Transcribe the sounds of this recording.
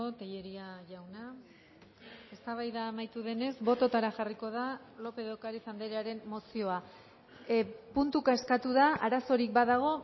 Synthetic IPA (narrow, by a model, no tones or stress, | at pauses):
ot̪eʎe̞ɾiaʝawna | e̞st̪aβ̞ajðaːmajt̪uðe̞ne̞zbo̞t̪o̞t̪aɾaʝariko̞ð̞a | lo̞pe̞ðokaɾisand̪eɾeaɾe̞mːo̞sio̞a | punt̪ukae̞skat̪uðaaɾaso̞ɾik̚baðaɣ̞o̞